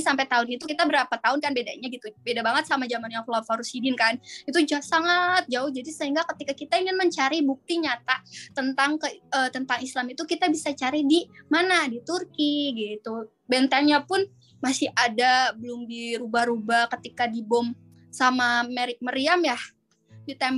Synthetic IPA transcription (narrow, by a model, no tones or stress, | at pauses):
sampɛt̪aʊnit̪ukit̪abəɾapat̪aʊnkanbeda̰ɲaɡit̪ubedabaŋət̪̚samad͡ʒamanjaŋflafaɾusidɪnkanit̪ud͡ʒasaŋat̪̚d͡ʒaʊhd͡ʒadisəɦiŋɡakət̪ikakit̪aiŋɪnməɲt͡ʃaɾibuk̚t̪iɲat̪at̪ənt̪aŋkəət̪ənt̪aŋislamit̪ukit̪abisat͡ʃaɾidimanadit̪urkiɡit̪u | bɛnt̪ɛŋɲapʊn | masɪhʔadabəlʊmdiɾubahɾubahkət̪ikadibɔm | samameɾɪk̚məɾiamjah | jut̪am